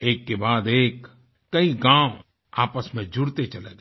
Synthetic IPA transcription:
eːkːebaːd̪eːkː | ɐiɡãːw | aːpəsmẽd͡ʒʊɽt̪et͡ʃɐlḛːɡ

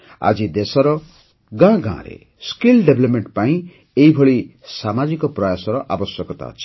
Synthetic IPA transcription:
a̰d͡ʒid̪esɔɾɔ | ɡãɡã̰ɾḛ | skilɖebʱlɔpmeɳʈpaĩ | eibʱɔɭi | samad͡ʒikɔpɾɔjasɔɾɔʔa̰bɔsjɔkɔt̪a̰ɔ̰t͡ʃʰi̥

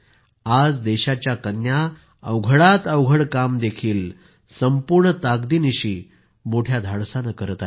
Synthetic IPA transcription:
ad͡zd̪ɛɕat͡ɕjakənja | əwɡʱəɽat̪əwɡʱəɽkamd̪ekʰiːl | səmpuɾɳət̪aɡd̪iːniɕiː | moʈʰjad̪ʱaɽsanəkəɾət̪a

